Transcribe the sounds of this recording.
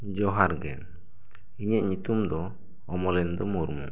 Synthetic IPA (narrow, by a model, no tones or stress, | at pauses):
d͡ʒɔɦaɾɡɛn | iɲɛʔɲut̪umd̪ɔː | mɔlɛnd̪ɔmuɾmṵ